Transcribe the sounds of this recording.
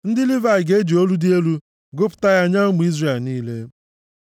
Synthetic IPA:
n̩˦dɪ˦lɪ˦va˨ɪ˨ɡe˦d͡ʒi˨o˦lu˦dɪ˦e˦lu˦ | ɡʊ˦pʊ̥˨ta˦ja˦˨ɲa˦m˨i˦zre˨niː˦le˦

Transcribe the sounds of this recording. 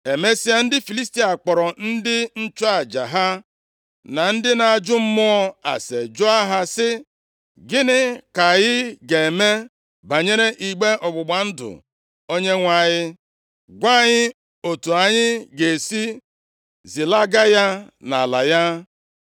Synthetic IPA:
e˨me˦si˦a˦n̩˦dɪ˦fi˨li˦s̬ti˦a˨k͡pɔ˨ɾɔ˨n̩˦dɪ˦n̩˦t͡ʃʊ˦a˨d͡ʒa˨ɦa˦ | na˨n̩˦dɪ˦na˨a˨d͡ʒʊ˦m̩˦mʊ˦ɔ˦a̰˨se˨d͡ʒʊ˦a˦ɦa˦sɪ˦ | ɡɪ˦nɪ˦ka˨ɣɪ˦ɡe˨e˨me˦ | ba˨ɲe˦ɾe˦ʔi˨ɡ͡be˦ʔɔ˨ɡ͡bʊ˨ɡ͡ba˨n̩˦dʊ̰˨ | o˦ɲe˦ŋʷa˨ɲɪ˦ | ɡʷa˦ɲɪ˦ | o˨tu˨a˨ɲɪ˦ɡe˨e˨si˦ | zi˨la˦ɡa˦ja˦na˨a˨la̰˨ja˦

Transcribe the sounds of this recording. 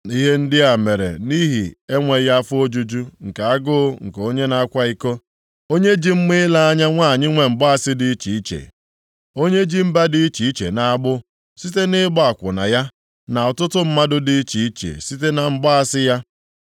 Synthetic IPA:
i˦ɦe˦n̩˦dɪ˦a˨me˨ɾḛ˨ni˦ɦi˨e˦ŋʷe˨ja˦fʊ˦o˦d͡ʒu˦d͡ʒu˦ŋ̩˨ka˨a˦ɡʊ˦ŋ̩˨ko˦ɲe˦na˨a˦kʷa˦i˦ko˦ | o˦ɲe˦d͡ʒi˦m̩˦mɪ˦la˦a˦ɲa˦ŋʷa˦˨ɲɪ˦ŋʷe˨m̩˨bɔ˦a˦˨sɪ˦di˦i˦t͡ʃi˨i˦t͡ʃḛ˨ | o˦ɲe˦d͡ʒi˦m̩˦ba˦di˦i˦t͡ʃi˨i˦t͡ʃḛ˨na˨a˦ɡ͡bʊ˦ | si˦t̬e˦nɪ˦bɔ˦a˨kʷʊ̰˨na̰˨ja˦ | na˨ɔ˨tʊ˦tʊ˦m̩˦ma˦dʊ˦di˦i˦t͡ʃi˨i˦t͡ʃḛ˨si˦t̬e˦na˨m̩˦ba˦a˦sɪ˦ja˦

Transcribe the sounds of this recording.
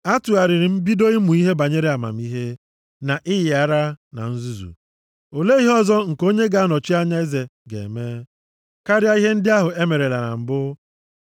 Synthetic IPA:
a˦tʊ˨a˨ɾɪ˨ɾɪ˨m̩˦bi˦do˦i˦mu˨i˦ɦe˦ba˨ɲe˦ɾe˦a˨ma̰˨m̩˦i˦ɦe˦ | na˨ʔɪ˦jɪ˨a˨ɾa˦na̰˨n̩˦zu˦zṵ˨ | o˨le˦i˦ɦɔ˦zɔ˦ŋ̩˨ko˦ɲe˦ɡa˦a˦nɔ˨t͡ʃi˦a˦ɲa˦e˦ze˨ɡḛ˨meː˦ | ka˦ɾja˦i˦ɦe˦n̩˦dɪ˦a˦ɦʊ˨e˦me˨ɾe˨la˨na̰˨m̩˨bʊ˦

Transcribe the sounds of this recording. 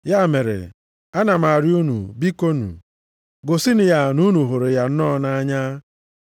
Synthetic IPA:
ja˦˨me˨ɾḛ˨ | a˦na˨ma˨ɾju˦nṵ˨bi˦ko˦nṵ˨ | ɡo˨si˦ni˨ja˦nu˦nu˨ɦʊ˨ɾo˨ja˨n̩˦nɔ˦na˦ɲa˦

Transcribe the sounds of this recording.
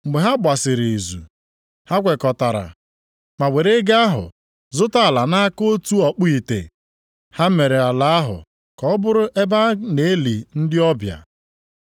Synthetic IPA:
ɡ͡be˨ɦa˦bʷa˨sɪ˨ɾi˨zṵ˨ | ha˦kʷe˨kɔ˨ta˨ɾa̰˨ | ma˨we˨ɾe˦ɡa˦a˦ɦʊ̰˨ | zʊ˦ta˦a˨la˨na˦a˦ko˦tu˦ɔ˨k͡pʊ˦i˨tḛ˨ | ha˦m̩˦me˨ɾe˨a˨la˨˦a˦ɦʊ̰˨ | kɔ˨˦bʊ˦ɾʊ˦ʔe˦ba˦ne˨e˦li˨n̩˦dɪ˦ɔ˦bja̰˨

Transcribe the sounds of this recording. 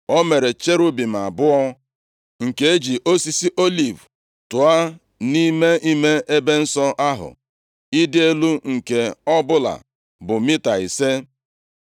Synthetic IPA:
o˦me˨ɾe˨t͡ʃe˦ɾu˦bi˨m̩˨a˨bʊ˦ɔ˦ | ŋ̩˨ke˦e˦d͡ʒi˨ʔo˦si˦si˦ʔo˦li˨v | tʊ˨a˦ | ni˦me˦ʔi˦me˦e˦be˦n̩˦sɔ˦ʔa˦ɦʊ̰˨ | i˦dɪ˦e˦lu˦ŋ̩˨ke˨ɔ˦bʊ˦la̰˨ | bʊ˨mi˦ta˨i˨se˦

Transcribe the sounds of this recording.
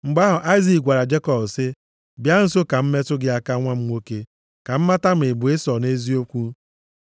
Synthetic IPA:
ŋ͡m̩˨ɡ͡ba˦ɦʊ˨ʔa˦ɪ˦zi˨ɡʷa˨ɾa˨d͡ʒe˦kɔ˨bsɪ˦ | bja˦n̩˦so˦ka˨m̩˦me˦tʊ˦ɡɪ˦a˦ka˦ŋʷa˦m̩˦ŋʷo˦ke˦ | ka˨m̩˦ma˦ta˦m̩˨ɪ˨bʊ˨ɪ˦sɔ˨ne˦zi˦o˦kʷu˦

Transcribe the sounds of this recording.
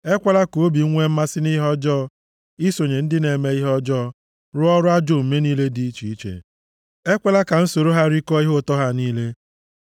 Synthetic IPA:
e˦kʷa˦la˦ko˨˦bi˨˦ŋʷe˦m̩˦ma˦sɪ˦ni˦ɦɔ˦d͡ʒɔ˦ | i˦so˨ɲe˨n̩˦dɪ˦ne˨me˦i˦ɦɔ˦d͡ʒɔ˦ | ɾʊ˦ɔ˦ɾʊ˦a˦d͡ʒo˦m̩˨me˦niː˦le˦di˦i˦t͡ʃi˨i˦t͡ʃḛ˨ | e˦kʷa˦la˦ka˨n̩˦so˨ɾo˦ɦa˦ɾi˦kɔ˦i˦ɦo˦tɔ˦ɦa˦niː˦le˦

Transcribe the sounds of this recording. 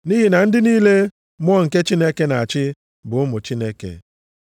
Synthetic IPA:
ni˦ɦi˨na˨n̩˦dɪ˦niː˦le˦ | m˦ɔ˦ŋ̩˨ke˦t͡ʃi˦ne˦ke˦na˨a˨t͡ʃɪ˦ | bʊ˨ʊ˦mʊ˨t͡ʃi˦ne˦kḛ˨

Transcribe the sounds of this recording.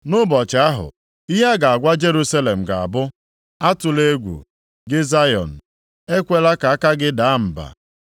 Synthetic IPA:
nʊ˦bɔ˨t͡ʃa˦ɦʊ̰˨ | i˦ɦa˦ɡa˨a˨ɡʷa˦d͡ʒe˦ɾu˦sa˦le˨m̩˨ɡa˨a̰˨bʊ˦ | a˦tʊ˨le˦ɡʷṵ˨ | ɡɪ˦za˦jɔ̰˨n̩˨ | e˦kʷe˦la˦ka˨a˦ka˦ɡɪ˦da˨˦m̩˨ba̰˨

